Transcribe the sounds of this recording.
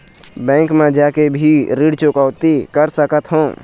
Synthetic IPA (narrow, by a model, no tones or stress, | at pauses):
bɛ̃ːŋkmẽd͡ʒaːkebʱiɾiːɽt͡ʃʊkəʊt̪ikəɾsəkət̪ɦõː